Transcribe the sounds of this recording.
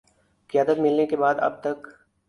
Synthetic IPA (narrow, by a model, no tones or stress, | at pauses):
kɪjaːd̪ət̪mɪlnekebaːd̪ɐ̰b̚t̪ɐk